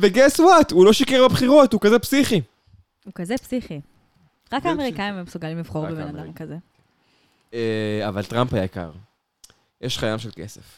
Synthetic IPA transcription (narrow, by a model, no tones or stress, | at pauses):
veɡeswat̪ulo̞ʃikeʁbabχiʁo̞t̪ukazepsiχi | ukazepsiχi | ʁakaːmeʁikaimemsuɡalimliv̥χo̞ʁbebenad̪amkaze | eavalt̪ʁampajaika̰ʁ | jeʃχajamʃelke̞̰sḛf